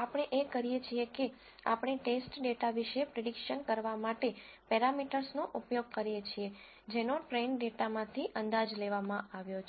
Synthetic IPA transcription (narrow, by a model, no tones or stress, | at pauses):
apəɽ̃eʔekəɾijet͡ʃʰieke | a̰pɳ̃eʈesʈɖeʈaʋiʃepɾeɖikʃənkəɾʋamaʈepɛɾamiʈəɾsnoʔupjoɡ̚kəɾijet͡ʃʰie | d͡ʒenoʈɾenɖeʈamãt̪ʰiʔənd̪ad͡ʒleʋamãaʋjot͡ʃʰ